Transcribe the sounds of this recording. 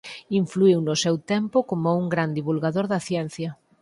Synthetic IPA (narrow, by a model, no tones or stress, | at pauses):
iɱfluiwnʊsewt̪ɛmpʊkomouŋɡɾand̪iβulɣaðoɾðɐθjɛn̟θjɐ